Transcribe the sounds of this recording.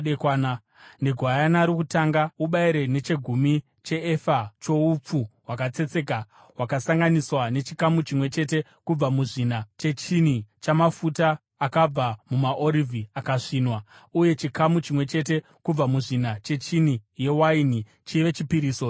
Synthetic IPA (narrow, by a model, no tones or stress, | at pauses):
ekaːna | ne̞ɡʱwajanaɾikutaŋɡauɓaiɾe̞ne̞t͡ʃe̞ɡʱumi | t͡ʃe̞ːfat͡ʃo̞up͡fuwakat͡se̞t͡se̞ka | wakasaŋɡaniswane̞t͡ʃikamut͡ʃimwe̞t͡ʃe̞te̞ | kub͡vamuʐinat͡ʃe̞t͡ʃinit͡ʃamafutaː | kab͡vamumaʔoɾivʱiakaʂiːnwauje̞t͡ʃikamut͡ʃimwe̞t͡ʃe̞t̬e̞ | kub͡vamuʐinat͡ʃe̞t͡ʃin̤ije̞waini | t͡ʃiʋe̞t͡ʃipiɾiːso